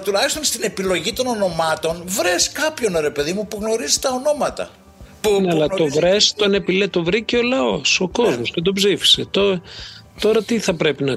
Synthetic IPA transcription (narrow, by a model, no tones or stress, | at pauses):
t̪ulɐçist̪o̞nst̪ine̞pilo̞ʝit̪o̞no̞no̞mɐt̪o̞nvɾe̞skɐpço̞nɾe̞peðimupuɣno̞ɾizi̥t̪ɐono̞mɐt̪ɐ̰ | nɐlɐt̪o̞vɾe̞st̪one̞pilet̪o̞vɾiceolɐo̞so̞ko̞zmosce̞t̪̬o̞psifi̥set̪ot̪o̞ɾɐt̪iθɐpɾe̞pinɐ